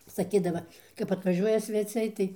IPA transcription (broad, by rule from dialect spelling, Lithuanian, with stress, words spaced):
sɐˈkʲiːdɐʋɐ kɐp ɐtʋɐˈʒʲuɔjɛ sʲʋʲɛˈt͡sʲɛɪ tɐɪ